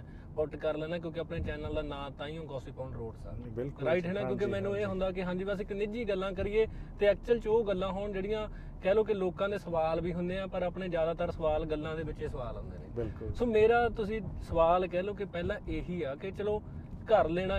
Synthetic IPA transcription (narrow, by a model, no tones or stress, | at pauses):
ʊʈkəɾləːnãːkjõːkɪəpneːt͡ʃɛːnəld̪aːnãːt̪ãːiːõːɡɔːsiːpãːɳɾoːɖsa̰ːɪlɾaːɪʈɦeːnaːkjõːkemɛ̃ːnũːeːɦʊ̃nd̪aːkɪɦãːɲd͡ʒiːbəs̬ɪknɪd͡ʒiːɡəlːãːkəɾiːeːt̪eːɛːk̚t͡ʃəlt͡ʃoːɡəlːãːɦoːɳd͡ʒeːɽɪjãː | kɛːloːk̬ɪloːkãːd̪eːsəʋaːlʋiːɦʊnd̪eːãːpəɾapɳeːd͡ʒjaːd̪aːt̪əɾsəʋaːlɡəlːãːd̪eːʋɪt͡ʃeːsəʋaːlɦʊ̰̃nd̪ḛːnḛːbɪlksoːmeːɾaːt̪ʊsĩːsəʋaːlkɛːloːkɪpɛːlãːʔeːɦiːaːkɪt͡ʃəloːkəɾleːɽãː